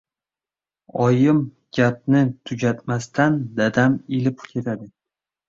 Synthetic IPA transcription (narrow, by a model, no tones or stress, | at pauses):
ɒjɪm | ɡ̥ʲap̚nɪt̪ʰʊd͡ʒʲat̪mast̪ʰand̪ad̪amelɪpkʲʰe̞t̪ʰad̪ɪ